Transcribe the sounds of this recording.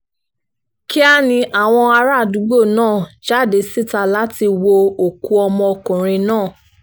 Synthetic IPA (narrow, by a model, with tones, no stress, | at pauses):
ki˦a˦nĩ˧ʔa˨w̃ɔ̃˧a˧ɾa˦˨du˨˦ɡ͡bo˦˨nãː˦˨ʃa˦˨de˨˦si˦˨ta˧la˦ti˧wo˧o˨ku˧ɔ˧mɔ̃˧kũ˨ɾ̃ĩ˧nãː˦˨